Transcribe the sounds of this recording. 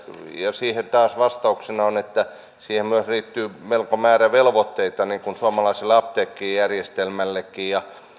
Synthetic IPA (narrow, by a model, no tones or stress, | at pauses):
jɑsiːhent̪ɑːsʋɑst̪ɑuksenɑonet̪ːæ | siːhemmyøsriːt̪ːyːmelkomæːræʋelʋot̪ːeit̪ɑniːkunsuɑmɑlɑiselːeɑpt̪eːkːiːjærjest̪elmælːekːiːjɑ